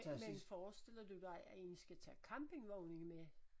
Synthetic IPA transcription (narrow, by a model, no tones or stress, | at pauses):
menfɒːsd̥e̝l̰ɐd̥ud̥ɑ̈ɪʔæe̝nsɡ̥æt͡sʰɛ̰ːkʰɑ̈mb̥e̝ŋʋɔʊne̝ŋme